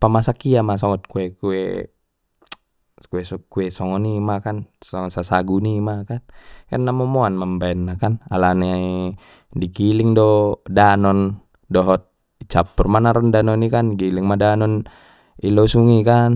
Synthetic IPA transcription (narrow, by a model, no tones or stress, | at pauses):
pamasakiamasɔŋɔt̪̚kuɛkuɛ̰ | kuɛsɔkuɛsɔŋɔnimakansɔŋɔsasaɡunimakankanːamɔmɔanmambaɛnːakana̰lanɛ | diɡiliŋdɔdanɔn | dɔɦɔt̪̚ | t͡ʃapːurmanaɾɔndanɔnikanɡiliŋmadanɔn | ilɔsuŋikan